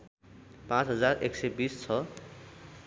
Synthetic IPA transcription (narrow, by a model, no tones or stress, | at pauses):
pãt͡sɦʌd͡zarḛksebist͡sʰʌ